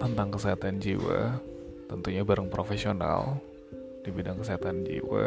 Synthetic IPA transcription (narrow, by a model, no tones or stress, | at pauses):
t̪ənt̪aŋkəsiɦat̪and͡ʒiwa | t̪ənt̪uɲabaɾaŋpɾofesiona̰l | d̥ibidaŋkəsiɦat̪and͡ʒḭwa